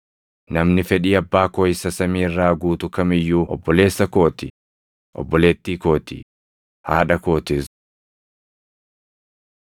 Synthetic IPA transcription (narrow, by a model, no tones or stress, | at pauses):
nɐmnɪfɛᶑiːɐbːaːkoːɪsːɐsɐmiːrːaːɡuːt̪ʊkɐmɪjːuːʔɔ̰bːɔle̞ːsːɐko̞ːt̪ɪ | ʔɔ̰bːɔle̞ːt̪ːiːko̞ːt̪ɪ̰ | haːᶑɐko̞ːt̪ɪs